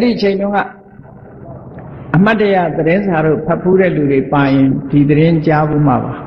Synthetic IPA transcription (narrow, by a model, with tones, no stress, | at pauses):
ʔɛ˦ɾi˨ʔət͡ɕʰẽ˨ɪ̃ndʊ̃˦ŋɡa̰˦˨ | ʔəm̥a˦˨tːə˦ja̰˦˨d̪əɾɪ̃˦nza˨ɾo̰˦˨pʰɛ˦˨pʰːu˦ɾɛ̰˦˨lu˨de˨pa˨jɪ̃˨ndi˨d̪əɾɪ̃˦t͡ɕa˦bṵ˦˨m̥a̰˦˨ba˨